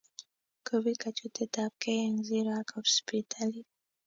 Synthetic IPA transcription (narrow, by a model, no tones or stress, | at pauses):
kobikat͡ʃut̪et̪ap̚kejaŋziɾakɔspit̪ʰali